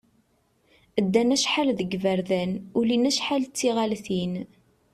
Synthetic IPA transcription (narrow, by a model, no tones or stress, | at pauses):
əd̪ːænæʃħalðəɡvəɾðænulinæʃħalt͡sːiʁalθin